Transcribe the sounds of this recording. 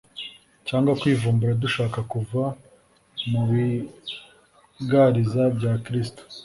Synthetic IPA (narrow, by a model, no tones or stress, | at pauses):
caːŋɡwakwiːvuːmbuɾaduʃaːkakuva | muwi | ɡaɾizabɟaːkɾis̬to̥